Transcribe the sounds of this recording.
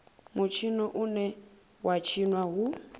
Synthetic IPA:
mut͡ʃʰinɔʔunɛ | wʔat͡ʃʰinwaɦu

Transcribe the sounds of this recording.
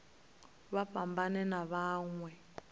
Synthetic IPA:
βaɸambanɛnaβaːŋwɛ

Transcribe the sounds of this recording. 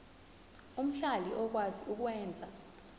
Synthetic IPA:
um̩ɬaliʔɔk̬waziuk̬wɛːnd͡zʱa

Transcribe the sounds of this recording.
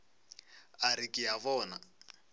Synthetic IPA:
aɾikʼɪjaβɔːna

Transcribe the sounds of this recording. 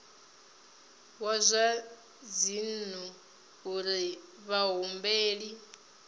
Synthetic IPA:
wazʷa | d͡zinu | uɾi | βaɦumbeːɺi

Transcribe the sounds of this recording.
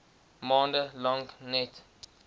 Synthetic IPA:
mɔ̃ːndəlɔ̃ŋknɛt

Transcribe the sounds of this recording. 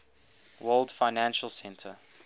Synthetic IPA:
wɜlˠdfaɪnæ̃nʃəlˠsɛ̃ntʰə

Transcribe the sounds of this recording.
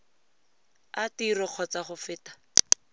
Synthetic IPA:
atirɔq͡χʰɔt͡saχʊfɪːtḁ

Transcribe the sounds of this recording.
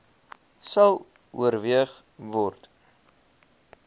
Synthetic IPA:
sɐlˠ | ṵərviəχ | vɔrt

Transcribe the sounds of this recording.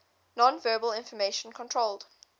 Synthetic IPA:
nɔ̃nvɜːbəlɪ̃nfəmeɪʃə̃nkʰɔ̃ntʰɹolˠd̥

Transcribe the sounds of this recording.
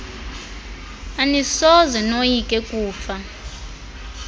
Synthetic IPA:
anisɔzɛnojikʼɛkʼuːfa

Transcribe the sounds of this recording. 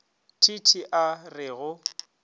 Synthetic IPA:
tʰitʰiʔarɪːɣʊ

